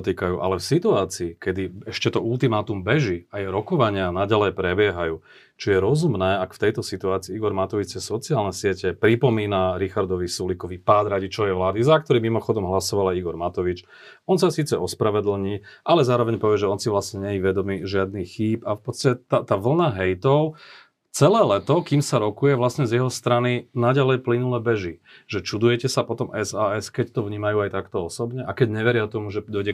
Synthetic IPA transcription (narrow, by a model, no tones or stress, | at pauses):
t̪̬iːkajuːʔa̰lɛfsit̪uaːt͡siːkɛd̪iɛʃcɛt̪ɔult̪imaːt̪umbɛʒiajɛɾɔkɔʋaɲɪanaɟalɛjpɾɛbɪɛɦajuː | t͡ʃɔjɛɾɔzumnɛːakft̪ɛjt̪ɔsit̪uaːt͡siːiɡɔɾmat̪ɔʋit͡sɛsɔt͡siaːlnɛsɪɛcɛpɾipɔmiːnaɾixaɾd̪ɔʋisulikɔʋipaːd̪ɾaɟit͡ʃɔʋɛjʋlaːd̪izakt̪ɔɾiːmimɔxɔd̪ɔmɦlasɔʋalajiɡɔɾmat̪ɔʋit͡ʃ | ɔns̬asiːt͡sɛɔspɾaʋɛd̪l̩ɲiːʔalɛzaːɾɔʋɛɲpɔʋɪɛʒɛɔnsiʋlasɲɛɲɛjiʋɛd̪ɔmiʒɪad̪nixxiːpafpɔt̪t͡st̪acɛt̪at̪aːʋl̩naɦɛjt̪ɔʊ | t͡sɛlɛːlɛt̪ɔkiːmsaɾɔkujɛʋlasɲɛzjɛɦɔst̪ɾaninaɟalɛjplinulɛːbɛʒiʒɛt͡ʃud̪ujɛcɛsapɔt̪ɔmɛzaːɛskɛct̪ɔvɲiːmajuːajt̪akt̪ɔɔsɔbɲɛʔakɛɟɲɛʋɛɾɪat̪ɔmuʒɛd̪ɔjɟɛ